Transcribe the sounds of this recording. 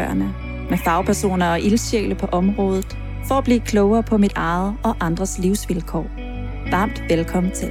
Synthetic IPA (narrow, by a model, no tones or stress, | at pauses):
ɐnə | mefɑ̈ʊpʰæɐso̝̰ːnɐɒ̽ʔilɕḛːləpʰɒ̽ʔɒ̽mʁɔ̽ːð̞ˠð̩ˠ | fɒ̽æb̥lḭːkʰlɔʊɐːpʰɒ̽mid̥ɑ̈ð̩ˠɒ̽ʔɑ̈nd̥ʁɐsliʊsʋilkʰɒ̰ː | ʋɑ̈ːm̰d̥ʋelkʰɒ̽mn̩t͡sʰel